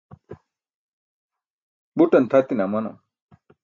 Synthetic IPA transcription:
buʈənt̪ʰat̪inamʌna̰

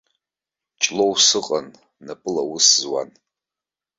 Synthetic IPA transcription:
t͡ʃʼlowsɨqʼanː | apʼɨlawʊszwa̰n

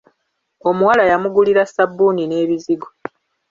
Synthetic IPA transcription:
o̞muwalajamuɡuliɾasabːuːnine̞ːβiziɡo

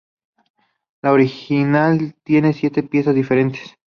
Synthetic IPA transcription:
laoɾixinalt̪je̞ne̞sje̞t̪e̞pje̞sazðife̞ɾe̞nt̪e̥s

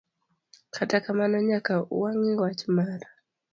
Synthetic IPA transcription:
kʰatakamanaɲakaṵaŋiwat͡ʃimaɾa

